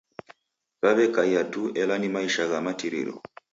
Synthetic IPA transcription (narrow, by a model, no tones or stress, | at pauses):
ɣaβɛkaiatuɛlanimaiʃaɣamatiɾḭɾɔ̰